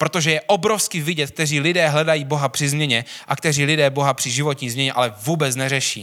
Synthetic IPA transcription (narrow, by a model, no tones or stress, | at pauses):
pɾo̞t̪o̞ʒɛjɛʔobɾofskɪvɪɟɛt̪̚k̚t̪ɛriːlɪdɛːɦlɛdajiːbo̞ɦapr̥ɪzmɲɛɲɛʔakt̪ɛriːlɪdɛːbo̞ɦapr̥ɪʒɪvo̞t̪ɲiːzmɲɛɲɛʔa̰lɛvuːbɛt͡snɛrɛʃḭː